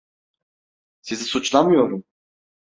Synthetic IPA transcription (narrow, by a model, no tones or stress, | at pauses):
sizisut͡ʃlˠamɯjo̞ɾum